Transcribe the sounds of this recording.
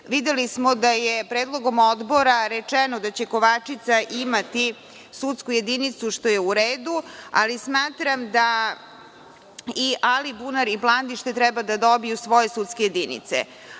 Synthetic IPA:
ʋid̪elismod̪ajepɾeːd̪lˠo̞ɡo̞mod̪bo̞ɾaɾet͡ʂɛnod̪at͡ɕe̞ko̞ʋat͡ʂit̪saʔimat̪i | sut̪skuje̞d̪init̪suʃt̪o̞je̞uɾeːd̪ua̰lismaːt̪ɾamd̪a | iʔalibunaɾiplˠand̪iʃt̪e̞t̪ɾɛbad̪ad̪obijusʋo̞je̞sut̪skeje̞d̪inḭt̪sḛ

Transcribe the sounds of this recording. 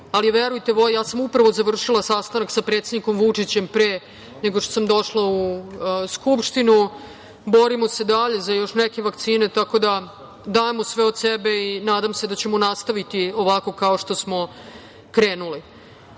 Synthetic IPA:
aliʋeɾujt̪e̞ʋo̞jjaːsamupɾaʋo̞zaʋr̩ʂilˠasast̪anaksapɾet̪sed̪nikomʋut͡ʂit͡ɕempɾeː | neɡoʃt̪osamd̪o̞ʂlauskupʂt̪inu | bo̞ɾimose̞d̪aʎe̞zajo̞ʃneke̞ʋakt̪siːne̞t̪ako̞d̪a | d̪aemosʋeod̪sebe̞inaːd̪amse̞d̪at͡ɕe̞monast̪aʋit̪io̞ʋako̞kaoʂt̪o̞smo̞ | kɾeːnuli

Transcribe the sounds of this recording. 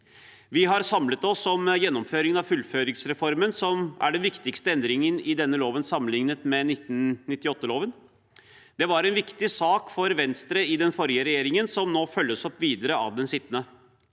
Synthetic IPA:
ʋɪɦɑɾsɑmlət̪ɔsːɔmjɛnːɔmføːɾɪŋənɑʋfʉlføːɾɪŋsɾɛfɔɾmənsɔmʔæ̰ɖɛnʋɪkt̪ɪkst̪əɛnd̪ɾɪŋənɪd̪ɛnːəloːʋənsɑmːənlɪŋnət̪mɛnɪt̪ːnnɪt̪ːɪɔt̪ːəloːʋən | d̪̥ɛʋɑɾɛnʋɪkt̪ɪsɑːkfɔɾʋɛnst̪ɾəɪd̪ɛnfɔɾjəɾɛjeːɾɪŋənsɔmnoːfœlːəsɔpːʋiːd̪əɾəɑ̰ʋd̪ɛnsɪt̪ːənə

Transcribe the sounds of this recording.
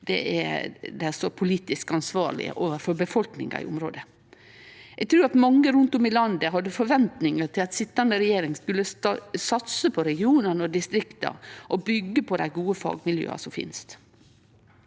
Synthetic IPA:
d̪̥ɛ̰ʔæ̰d̪ɛsɔpʰʊliːt̪ɪskɑnsʋɑːɾɭɪ̰ə̰ʔoːʋəɾfɔɾbəfɔlknɪ̰ŋɑ̰ɪ̰ʊmɾo̰ːd̪ə | ɛɡ̚t̪ʰɾʉːɾɑt̪mɑŋːəɾʉnt̪ʊmɪlɑnd̪əɦɑd̪ːəfɔɾʋɛnt̪nɪŋət̪ʰɪlɑt̪sɪt̪ːɑnd̪əɾɛjeːɾɪŋskʉlːəsɑt̪səpʰɔɾɛɡɪuːnənəɔd̪ɪst̪ɾɪkt̪ɑ̰ɾʔɔbʏɡːəpʰɔd̪æ̰ɪɡuːəfɑ̰ːɡmɪljø̰ːɑ̰sɔmfɪ̰nst̪

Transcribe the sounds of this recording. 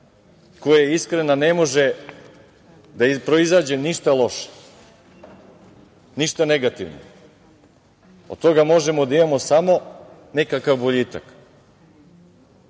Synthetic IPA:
ko̞jajeiskɾenane̞mo̞ʒe | d̪aipɾo̞izaːd͡ʑe̞niʃt̪alˠo̞ʃe̥ | niʃt̪ane̞ɡat̪iʋno̰ | d̪̚t̪o̞ɡamo̞ʒe̞mod̪aimamo̞samo̞nekakavboʎit̪a̰k

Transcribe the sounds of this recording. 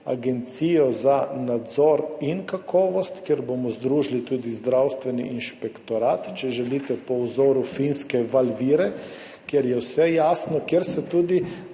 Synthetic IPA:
a̰ɡɛnt̪siːjɔzanad̪zɔɾinkakʰɔːʋɔst̪kjeɾbomɔzd̪ɾuːʒlit̪uːd̪izd̪ɾawst̪ʋɛnḭʔinʃpɛkt̪ɔɾaːt̪t͡ʃɛʒɛlit̪ɛpɔwzɔːɾufinskɛʋalʋiːɾɛ | kjɛɾjɛwsɛjaːsnɔkjeɾsɛt̪uːd̪i

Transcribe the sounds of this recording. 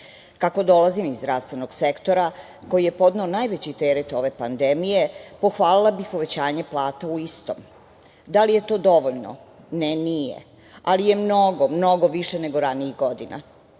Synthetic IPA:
kako̞d̪o̞lazimizːd̪ɾaʋst̪ʋe̞noɡse̞kt̪o̞ɾa | ko̞jije̞po̞d̪neonajʋet͡ɕit̪eɾet̪o̞ʋe̞pand̪emijepo̞xʋaːlilˠabixpo̞ʋet͡ɕaːɲeplˠaːt̪auist̪o̞̰ːm | d̪alije̞t̪o̞ːd̪o̞ʋoʎno̰ | nenijḛ | alije̞mnoɡomno̞ɡo̞ʋiʃene̞ɡo̞ɾaniiɣɡo̞d̪ina̰

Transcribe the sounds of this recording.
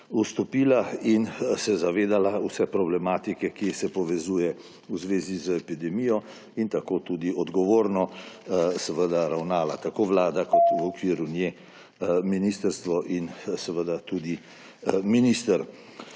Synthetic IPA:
ust̪ɔpiːlainsɛzaʋeːd̪alausɛpɾɔblɛmaːt̪ikɛkisɛpɔʋɛzuːjɛ | uzʋeːzizəɛpid̪ɛmijɔ | int̪akoːt̪ud̪iɔd̪ɡɔʋoːɾnɔ | sɛʋəd̪aɾawnaːlat̪akoʋlaːd̪akɔt̪ʋɔkʋiːɾunjɛ | minist̪əɾst̪ʋɔʔinsɛʋəd̪at̪ud̪i | minist̪əɾ

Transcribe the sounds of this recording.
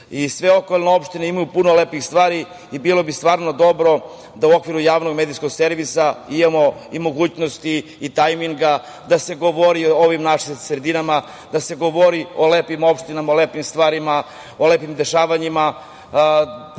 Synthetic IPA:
isʋe̞o̞kolˠnoo̞pʃt̪inimajupuno̞leːpixst̪ʋaːɾi | ibilˠo̞bist̪ʋaːɾnod̪o̞bɾo̞ | d̪auo̞kʋiɾujaːʋno̞ɡmed̪isko̞ɡseɾʋisaimamo̞imo̞ɡuːt͡ɕnost̪iː | t̪ajmiŋɡa | d̪ase̞ɡo̞ʋoɾiooʋimnaʂimsɾed̪inama | d̪ase̞ɡo̞ʋoɾio̞leːpimo̞pʃt̪inamaoleːpimst̪ʋaːɾima | oleːpimd̪e̞ʃaːʋaɲima

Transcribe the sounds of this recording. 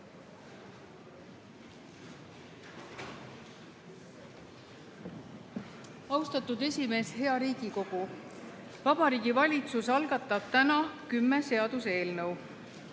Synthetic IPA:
ɑwst̪ɑt̪ːˑud̪e̞sʲime̞ːshe̞ɑɾiːɡ̥iko̞ɡ̥u | vɑbɑɾiːɡ̥ivɑlʲit̪susɑlɡ̥ɑt̪ːˑɑb̥̚t̪ænɑkymːe̞se̞ɑd̪̥use̞ːlnɤw

